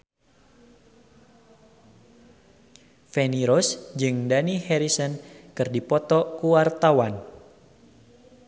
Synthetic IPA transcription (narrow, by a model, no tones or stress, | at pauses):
feniɾosd͡ʒɨŋdanihɛɾisənkɨrdipɔt̪ɔkuwart̪awan